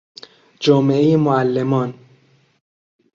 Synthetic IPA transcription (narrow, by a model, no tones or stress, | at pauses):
d͡ʒɒːmeejemoælːemɒːn